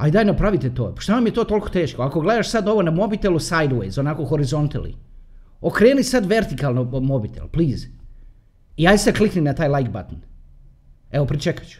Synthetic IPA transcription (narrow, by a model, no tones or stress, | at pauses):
a̰id̪ajnapɾaʋit̪et̪o̰ːpʃt̪anamje̞t̪o̞ːt̪o̞lˠko̥t̪e̞ːʃkoako̞ɡled̪aʃsad̪o̞ʋo̞namo̞bit̪elusajd̪wḛjzonakoxoɾizo̞nt̪elḭ | okɾe̞ːnisad̪ʋe̞ɾt̪ikalnomobit̪ḛlpliːz | iajsakliknimnat̪aːjlˠajkba̰t̪n̩ | eʋopɾit͡ʃekḁt͡ʃu̥